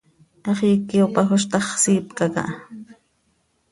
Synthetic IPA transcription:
ʔɑχiːkːiopɑxoʃ̬t̪ɑχsiːpkakɑ̰ʔ

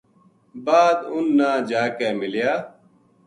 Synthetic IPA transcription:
baːd̪ʊnːaːd͡ʒaːkeːmɪljaː

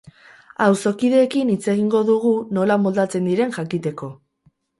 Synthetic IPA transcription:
awso̞kiðe̞ːkinit͡se̞ɣ̞iŋɡo̞ðuɣ̞uno̞lamold̪at͡se̞nd̪iɾe̞nʝakit̪e̞ko̞

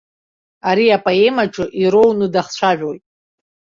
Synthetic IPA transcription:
aɾiapʼae̞maʈ͡ʂʼɨʔiɾo̞wnɨdaχt͡ɕʷʰaʒᶣojtʼ

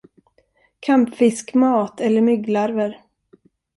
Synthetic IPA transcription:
kʰampfɪskmɑːt̪ʰɛlːəɾmʏɡlaɾvəɾ

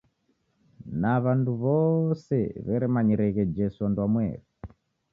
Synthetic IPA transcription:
naβanduβɔsɛ̰βɛɾɛmaɲɛɾɛɣɛd͡ʒɛsuandwamwɛ̰ɾi

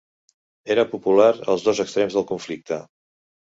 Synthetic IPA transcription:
eɾəpupulaɾə̰lˠzðɔzəkst̪ɾemzðəlˠkuɱflik̚t̪ə

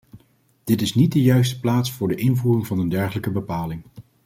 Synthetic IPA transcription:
d̥ɪtɪsnit̚dəjœɥs̬tə̥plaːtsfʊːɹdəʔɪnvuːrɪŋvɑnəndɛɹχələkəbəpaːlɪŋ

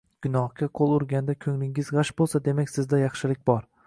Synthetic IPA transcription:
ɡ̥ʲʊnɒhɡʲaqʰolˠʊɾɡʲand̪akʲʰɵŋlɪŋɪzʁɑʃbolˠsad̪e̞makʲsɪzd̪ajɑχʃɪlɪk̚ʲbɒɾ

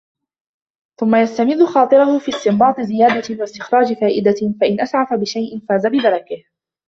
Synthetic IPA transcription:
θʊmːajast̪amɪðːʊxɑːt̪ˤɨɾʊhʊfiːst̪ɪmbɑːt̪ˤɨzɪjaːd̪awast̪ɪxɾˤɑːd͡ʒɪfaːʔɪd̪afaʔɪnʔasʕafabɪʃajʔɪnfaːzabɪd̪ɑɾˤɑkɪh

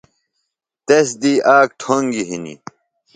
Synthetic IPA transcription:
t̪esd̪iːʔaːk̚ʈʰoŋɡiɦinḭ

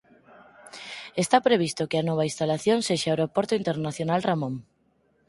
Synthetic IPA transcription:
est̪apɾeβ̞ist̪okeanoβ̞aist̪alaθjõŋseʃeaewɾopoɾt̪oint̪eɾnaθjonalramõŋ

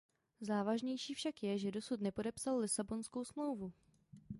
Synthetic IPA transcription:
zaːvaʒɲɛjʃiːfʃakjɛʒɛdo̞sut̪nɛpo̞dɛpsallɪsabo̞nsko̞wsmlo̞wvu

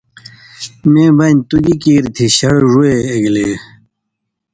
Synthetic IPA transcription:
mẽːbɐnt̪uɡikiːɾt̪ʰiɕɐɽʐueːɡleː

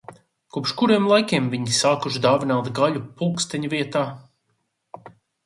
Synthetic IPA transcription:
kupʃkuɾiɛmlˠajkʲiɛmviɲisaːkuʃd̪aːvinawt̪ɡaʎupulˠkst̪ɛɲuviɛt̪aː

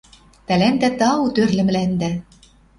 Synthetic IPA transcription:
t̪ælænd̪æt̪ɑut̪ørlɘ̆m̆lænd̪æ

